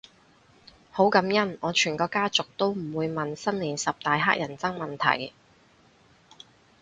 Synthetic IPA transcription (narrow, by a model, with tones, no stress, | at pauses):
ho˨˥wkɐ˨˥mjɐ˥nɔː˨˧t͡ʃʰyː˨˩nkɔː˧kaː˥t͡sʊ˨k̚t̪o˥wm̩˨˩wuː˨˧jmɐ˨nsɐ˥nliː˨˩nsɐ˨p̚t̪aː˨jɦa̰ː˥k̚jʔɐ˨˩nt͡sɐ˥ŋmɐ˨nt̪ʰɐ̰˨˩j